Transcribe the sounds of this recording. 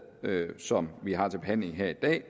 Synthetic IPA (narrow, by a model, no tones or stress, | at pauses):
øsɒ̽mʋiɦɑ̈t͡sʰe̝b̥e̝hæn̰le̝ŋ̩ɦeɐ̰id̥ɛ̰ː